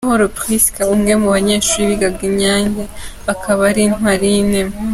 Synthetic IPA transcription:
hoɾopɾiskaumɡemuβaɲe̞ːʃuɾiβiɡaɡiɲaːɲɟeβakʰaβaɾinɦwaɾine

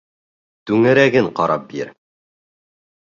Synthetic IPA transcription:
t̪ʉŋɘ̆ɾæɡɘɴqɑɾɑp̚biɾ

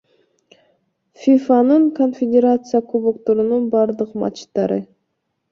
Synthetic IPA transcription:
fʲifanɯɴko̞nfʲedʲeɾat̪sɨjakubukt̪oɾununbɑɾd̪ɯqmɑ̰t͡ʃt̪ːɑɾɯ

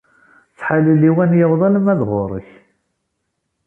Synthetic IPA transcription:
θħalilːiwænjəwðˤɑləmæðʁʊɾˤə̰ç

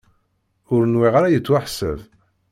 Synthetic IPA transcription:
ʊɾnwiʁaɾajət͡sːwaħsə̰v

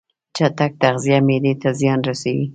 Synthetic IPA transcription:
t͡ʃat̪ak̚t̪aɣzijamed̪et̪azjɑnɾasawi

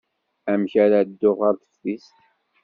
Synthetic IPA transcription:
æmçaɾad̪ːʊʁaɾθə̥fːist̪

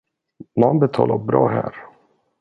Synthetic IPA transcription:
nanbɛt̪ʰɑ̰ːlabɾɑːɦæ̰ːɾ

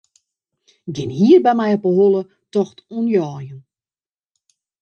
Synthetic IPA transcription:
ɡɪnhiːərbɛjmɛjɔpəɦolˠə | tɔxtunjɔːjən

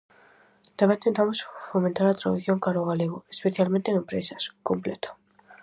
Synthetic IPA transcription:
t̪amẽnt̪ẽnt̪amosfomẽnt̪aɾat̪ɾaðuθjoŋkaɾoɣaleɣʊespeθjalmẽnt̪eŋempɾesɐskomplet̪ḁ

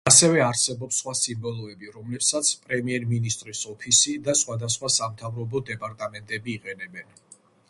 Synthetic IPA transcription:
asɛvɛaɾsɛbɔpsχwasimbɔlˠɔɛbiɾɔmlɛpsat̪sʰpʼɾɛmiɛɾminist̪ʼɾisɔpʰisid̪asχwad̪asχwasamt̪ʰavɾɔbɔd̪ɛpʼaɾt̪ʼamɛnt̪ʼɛbiːqʼɛnɛbɛn

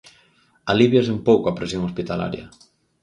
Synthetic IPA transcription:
aliβjas̬empowkoapɾesjoŋospit̪ala̰ɾjɐ̰

